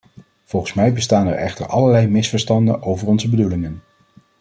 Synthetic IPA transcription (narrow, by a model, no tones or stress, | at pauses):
v̥ɔlˠχənsmɛjbəstaːnɛ̰ɹʔɛ̰χtə̰ɹʔɑləɹlɛjmɪsfəɹstɑndəʔowvəɹɔnzəbədulɪŋən